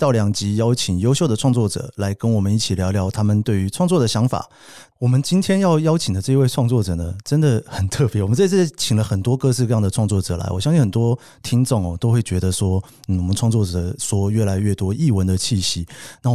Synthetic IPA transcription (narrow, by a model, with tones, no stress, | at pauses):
t̪ɑ˥˩ʊljɑ˨˩ŋt͡ɕi˧˥jɑ˥ʊt͡ɕʰi˨˩ŋjo˥ʊɕjo˥˩ʊd̪ə˩ʈ͡ʂʰwɑ˥˧ŋt͡swɔ˥˩ʈ͡ʂɤ̰˨˩˦la˧˥ɪkə˦nwɔ˨˩mə˦ni˥˩t͡ɕʰi˨˩ljɑ˧˥ljɑ˧˥ʊt̪ʰa˥mə˨nt̪we˥˩ɪy˧˥ʈ͡ʂʰwɑ˥˧ŋt͡swɔ˥˩d̪ə˩ɕjɑ˧˥ŋfa̰˨˩ | wɔ˨˩mə˦nt͡ɕi˥nt̪ʰjɛ˥njɑ˥˩˧ʊjɑ˥ʊt͡ɕʰi˨˩ŋd̪ə˩˦ʈ͡ʂɤ˥˧i˧˥we˥˧ɪʈ͡ʂʰwɑ˥˧ŋt͡swɔ˥˩ʈ͡ʂɤ˨˩nə˦ʈ͡ʂə˦˥nd̪ə˨xə˨˩nt̪ʰɤ˥˧pjɛ˧˥wɔ˨˩mə˦nt͡sa˥˧ɪt͡s̩ʰ˥˩˥t͡ɕʰi˨˩ŋlə˦xə˨˩nt̪wɔ˥kɤ˥˧ʂɻ̩˥˧kɤ˥˧jɑ˥˩ŋd̪ə˩ʈ͡ʂʰwɑ˥˧ŋt͡sɔ˥˩ʈ͡ʂɤ˨˩˦la̰˧˥ɪwɔ̰˨˩jɑ˥ŋɕi˥˩xə˨˩nt̪wɔ˥ | t̪ʰi˥ŋʈ͡ʂʊ˥˩ŋɔ˨t̪o˥ʊxwe˥˩ɪt͡ɕɥɛ˧˥d̪ə˧ʂwɔ˥ | n̩˥˩wɔ˨˩ə˦nʈ͡ʂʰwɑ˥˧ŋt͡swɔ˥˩ʈ͡ʂɤ˨˩ʂwɔ˥ɥɛ˥˩la˧˥ɪɥɛ˥˩t̪wɔ˥ʔi˥˩wə˦˥nd̪ə˨t͡ɕʰi˥˩ɕi˧˥na˥˩